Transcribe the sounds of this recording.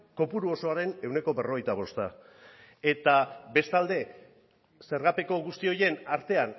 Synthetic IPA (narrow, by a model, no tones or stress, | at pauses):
ko̞puɾuo̞so̞aɾe̞ne̞wne̞ko̞βe̞ro̞ɣe̞jt̪aβo̞st̪a | e̞t̪abe̞st̪ald̪e̞ | se̞ɾɣape̞ko̞ɣ̞ust̪io̞je̞naɾt̪e̞an